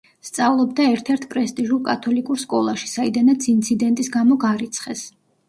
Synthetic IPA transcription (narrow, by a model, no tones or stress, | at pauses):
st̪sʼavlˠɔbd̪aɛɾt̪ʰɛɾt̪ʰpʼɾɛst̪ʼiʒulˠkʼat̪ʰɔlikʼuɾskʼɔlˠaʃi̥said̪anat̪sʰint̪sʰid̪ɛnt̪ʼisɡamɔɡaɾit̪sʰχɛs